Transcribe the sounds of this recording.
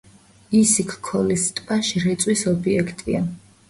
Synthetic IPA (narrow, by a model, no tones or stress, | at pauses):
isikʰkʰːɔlist̪ʼpʼaʃɾɛt̪sʼwisɔbiɛkʰt̪ʼia